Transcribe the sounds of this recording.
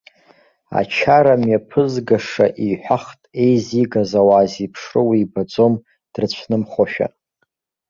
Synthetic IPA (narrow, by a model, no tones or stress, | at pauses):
a̰t͡ʃʰaɾamjapʰɨzɡaʂaʔiħʷᶣaχtʼe̞jziɡazawaːzipʰʂrɨwiːbad͡zom | d̥rt͡ɕʷʰnɨmχʷoʃᶣa̰